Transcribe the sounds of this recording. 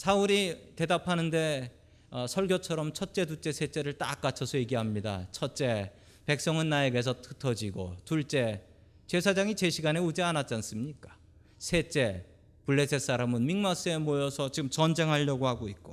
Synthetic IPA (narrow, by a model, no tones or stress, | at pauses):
sʰauɾite̞dapʰanɯnde̞ | ʌsʰʌɭɡjot͡ɕʰʌɾʌmt͡ɕʰʌt̚t͡ɕ͈e̞dut͡ɕ͈e̞sʰe̞t͡ɕ͈e̞ɾɯɭt͈a̰k͈at͡ɕʰʌsʰʌjeɡiɦamɲida̰t͡ɕʰʌt̚t͡ɕ͈e̞ | pe̞k̚s͈ʌŋɯnːaeɡe̞s̬ʰʌtʰɯtʰʌd͡ʑiɡo̰tuɭt͡ɕ͈e̞ | t͡ɕe̞sʰad͡ʑaŋit͡ɕe̞ɕʰiɡane̞ud͡ʑeanat͡ɕ͈ans͈ɯmɲik͈ḁ | sʰe̞t͡ɕ͈e̞ | puɭːe̞sʰes͈aɾamɯnmiŋmas͈ɯe̞mojʌsʰʌt͡ɕiɡɯmt͡ɕʌnd͡ʑe̞ŋɦaʎːʌɡohaɡoit̚k͈o